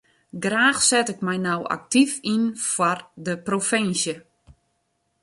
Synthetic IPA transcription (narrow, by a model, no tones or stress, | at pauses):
ɡraːxsɛtɪkmɛjnawa̰k̚tifinfwɔrdəprofɪnsjə